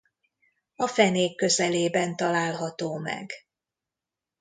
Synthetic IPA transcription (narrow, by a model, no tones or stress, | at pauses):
ɒfɛneːkːø̞zɛleːbɛnt̪ɒlaːlɦɒt̪oːmɛ̰ɡ